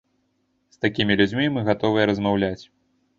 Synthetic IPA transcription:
st̪akʲimʲilʲud͡zʲmʲimɨɣat̪ɔvɨjɛɾɐzmawlʲat͡sʲ

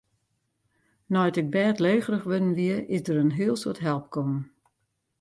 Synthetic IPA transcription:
nɔjtɪk̚bɛːtleːɣərəxʋødən̩ʋiəʔɪzdəɾənɦiəlˠsotɦɛlˠp̚kʰɔmn

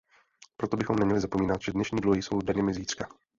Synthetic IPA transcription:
pɾot̪o̞bɪxo̞mnɛmɲɛlɪzapo̞miːnat̪ʒ̥ɛdnɛʃɲiːdluɦɪjso̞wdɛɲɛmɪziːt̪r̥ka

